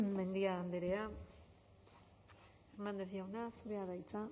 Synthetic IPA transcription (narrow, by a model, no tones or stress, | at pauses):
me̞nd̪iaːnd̪eɾea | eŋɡand̪esiawnasuɾeaðajt͡sa